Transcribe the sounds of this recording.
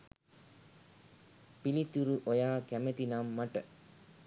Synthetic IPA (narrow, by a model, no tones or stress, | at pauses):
pilit̪uɾuʔojaːkæmet̪inamːaʈə